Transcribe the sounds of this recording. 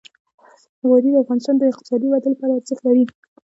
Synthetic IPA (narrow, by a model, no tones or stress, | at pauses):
ɣɑɾid̪əafɣɑnɪst̪ɑnd̪əɪq̚t̪ɪ̥sɑd̪ibad̪əlpɑɾat͡səxlaɾi